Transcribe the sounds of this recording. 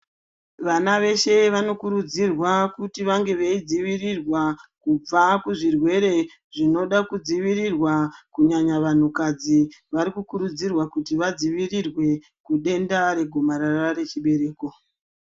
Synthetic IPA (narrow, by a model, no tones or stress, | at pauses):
ʋanaʋe̞ʃe̞ʋano̞kuɾud͡zirwakutiʋaŋɡe̞ʋeid͡ziʋirirwakub͡vakuʐirwe̞ɾe̞ | ʐino̞ɗakud͡ziʋirirwakuɲaɲaʋan̤ukad͡ziʋaɾikukuɾud͡zirwakutiʋad͡ziʋirirwe̞ | kuɗe̞ndaɾe̞ɡʱo̞maɾarare̞t͡ʃiɓe̞ɾe̞ːko̞